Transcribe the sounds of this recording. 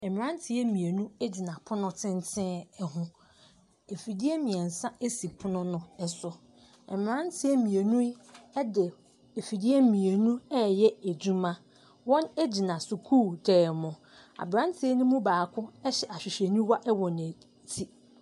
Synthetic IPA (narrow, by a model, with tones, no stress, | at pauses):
ɛ˨m˨ɾã˦n˦tʰɪ˨ɛ˦mĩ˨e˨nũ˦e˦d͡ʑi˨nã˨pʰʊ˦nʊ̃˦tʰɪ̃˦ntʰɪ̃˦ɛ˦ɦʊ̃˦ | e˨fi˨di˦ɛ˦mĩ˨ɛ˨n̩˨sa˦e˦si˨pʰʊ˦nʊ̃˦nʊ̃˦ɛ˨sʊ˨ | ɛ˨m˨ɾã˦n˦tʰɪ˦ɛ˦mĩ˨e˨nũ˦dɪ˨ | e˨fi˨di˦ɛ˦mĩ˨e˨nũ˦ɛ˦jɛ˦æ˨d͡ʑu˦mã˦ | wɔ̃˦ne˦d͡ʑi˨nã˨sʊ˨kʰuː˦˨tʰɛː˨mʊ̃˨ | a̰˨bɾã˦n˦tʰɪ˦ɛ˦nʊ̃˦mũ˦baː˨kʰʊ̃˦ɛ˦ɕɛ˨ʔa˨ɕᶣɪ˨ɕe˨nũ˦wa˦ʔɛ˦wɔ˨n˨æ˨ | tʰi˦